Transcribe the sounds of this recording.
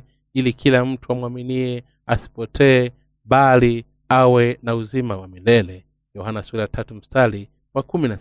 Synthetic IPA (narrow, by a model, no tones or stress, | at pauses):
ilikʰilam̩tʰuamwaminiɛ | asi̥pɔtʰɛː | ɓali | awɛnauzimawamilɛlɛ | jɔhanasuɾatʰatum̩stali | wakumina